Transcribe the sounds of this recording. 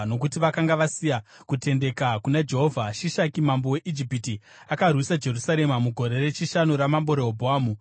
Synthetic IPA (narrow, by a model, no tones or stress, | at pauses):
no̞kutiʋakaŋɡaʋasija | kute̞nde̞kakunad͡ʒe̞ɦovʱaʃiʃakimambowe̞ʔid͡ʒipiti | akarwisad͡ʒe̞rusaɾe̞mamuɡʱo̞ɾe̞re̞t͡ʃiʃanuɾamambo̞ɾeɦobʱoaːmu